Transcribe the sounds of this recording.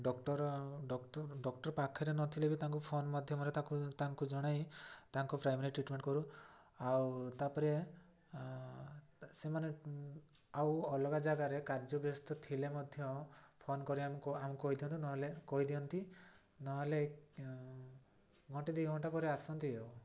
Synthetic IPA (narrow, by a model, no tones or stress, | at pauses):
ɖɔkʈɔɾɖɔɖɔkʈɔɾpakʰeɾenɔt̪ʰilebit̪aŋkupʰonmad̪ʱjɔmɔɾet̪akut̪aŋkud͡ʒɔɽ̃ajt̪aŋkupɾajmaɾiʈɾiʈmeɳʈkɔɾu | awt̪apɔɾe | semane | awɔlɔɡad͡ʒaɡaɾekaɾd͡ʒɔbjɔst̪ɔt̪ʰilemɔd̪ʱjɔpʰonkɔɾiamukɔamukɔɦid̪iɔnt̪inɔɦɔlekɔɦid̪iɔnt̪i | nɔɦele | ɡʱɔɳʈid̪iɡʱɔɳʈapɔɾeasɔnt̪iew